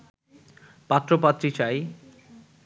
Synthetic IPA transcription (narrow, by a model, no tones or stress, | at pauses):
pat̪ːɾopat̪ːɾit͡ɕaj